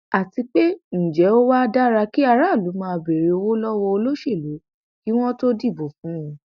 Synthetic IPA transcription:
a˨ti˧k͡pe˦n̩˨d͡ʒɛ˨˦o˦wa˦da˦ɾa˧ki˦a˧ɾa˦˨lu˨˦mãː˦˧be˨ɾe˧o˧wo˦lɔ˦wɔ˧o˧lo˦ʃe˦˨lo˨˦ | ki˦w̃ɔ̃˦to˦di˦˨bo˨fũ˨˦ũ˧

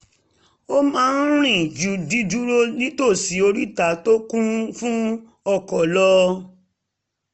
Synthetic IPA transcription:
o˦mãː˦˧n̩˦ɾ̃ĩ˦˨d͡ʒu˨˦di˦du˦ɾo˦nĩ˦to˦˨si˨˦o˧ɾi˦ta˨˦to˦kũ˦fũ˦ | ɔ˦˨kɔ˨lɔ˦

